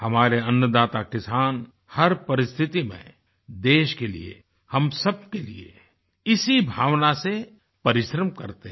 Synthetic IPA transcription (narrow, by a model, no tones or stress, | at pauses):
hɐmaːɾeɐ̃njəd̪aːt̪akɪsaːn | hɐɾpɐɾɪst̪ʰɪt̪imḛ̃ | d̪eːʃkelḭḛ | hɐmsɐb̚kelḭḛ | ɪsibʱaːʋnase | pɐɾɪʃɾəmkɐ̰ɾt̪e